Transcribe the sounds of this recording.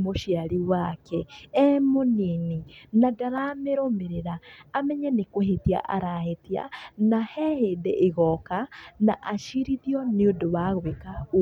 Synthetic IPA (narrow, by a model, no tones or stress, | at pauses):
moʃiaɾiwakɛɛmonininadaɾameɾomeɾeɾaːmɛɲɛnekoɦetia̰ʔa̰ɾahetia̰nahɛheːdeʔeɣɔkanaʔaʃiɾiðjɔniodoβaɣweka